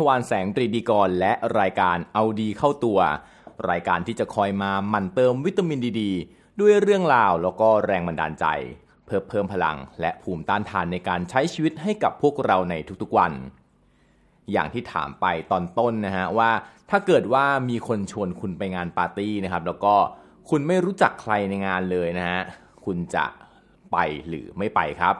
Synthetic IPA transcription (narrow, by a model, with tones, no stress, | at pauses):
a˧waː˧nsɛː˩˦ŋt̪ɾiː˧diː˧kɔː˧nlɛ˦˥ʔɾaː˧jkaː˧nʔa˧wdiː˧kʰa˥˩wt̪u˧ɐ | ɾa̰ː˧jkaː˧nt̪ʰiː˥˩t͡ɕa˨˩kʰɔː˧jmaː˧ma˨˩nt̪ɤː˧mwi˦˥t̪ːa˧mi˧ndiː˧diː˧ | du˥˩əjɾɯ˥˩əŋɾaː˧wlɛː˦˥wkɔː˥˩ɾɛː˧ŋba˧nda̰ː˧nt͡ɕa̰˧j | pʰɤː˥˩mpʰɤː˥˩mpʰa˧la̰˧ŋlɛ˦˥ʔpʰuː˧˩mt̪aː˥˩nt̪ʰaː˧nːa˧jkaː˧nt͡ɕʰa˦˥jt͡ɕʰiː˧wi˦˥t̪̚ɦa˥˩jka̰˨˩pʰːu˥˩ək̚ɾa˧wna˧jt̪ʰu˦˥k̚t̪ʰu˦˥k̚wa˧n | ja̰ː˨˩ŋt̪ʰiː˥˩t̪ʰa̰ː˩˦mpa˧jt̪ɔː˧nt̪o˥˩nːa˦˥ka˦˥waː˥˩t̪ʰaː˥˩kɤː˨˩t̪̚waː˥˩miː˧kʰo˧nt͡ɕʰu˧ənkʰu˧npa˧jŋaː˧npaː˧t̪iː˥˩na˦˥kʰa˦˥p̚lɛː˦˥wkɔː˥˩ | kʰu˧nma˥˩jɾuː˦˥t͡ɕa˨˩kʰːɾa˧jna˧jŋaː˧nlɤː˧jna˦˥ka˦˥ | kʰu˧nt͡ɕa̰˨˩ʔ | pa˧jlɯ̰ː˩˦ma˥˩jpa˧jkʰɾa˦˥p̚